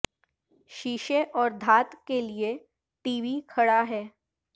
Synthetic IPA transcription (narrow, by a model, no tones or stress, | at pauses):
ɕiɕeʔɔːɾd̪ʱat̪kelie | ʈiʋikʰəɽaɦɛ